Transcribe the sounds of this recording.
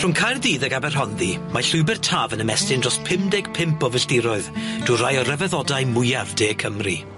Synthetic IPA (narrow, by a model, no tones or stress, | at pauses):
r̥ʊnkʰajrðiːðəɡabɛrɦɔnðimaɬʊɨbɛrtʰaːvənəmɛstɪndrɔspʰɪmdɪɡ̥pʰɪmpʰɔvəstɪɾʊɨðd̥uːrajɔrɛvɛðɔdaɨmʊjavdeːkʰəmri